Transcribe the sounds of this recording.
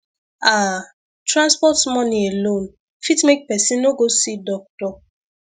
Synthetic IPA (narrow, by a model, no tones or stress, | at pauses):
a | tɾãnspɔtmɔnielon | fitmek̚pɛsinoɡosidɔk̚tɔ